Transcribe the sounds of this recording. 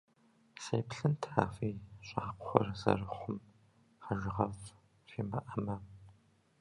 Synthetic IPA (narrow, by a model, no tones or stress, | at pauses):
sɐjpɬɨntʰaːfiːɕʼaːqʷʊχʷɔrzɐ̰rɨχʷʊm | χɐʒɪʁɐv | feːmɐʔɐmɐ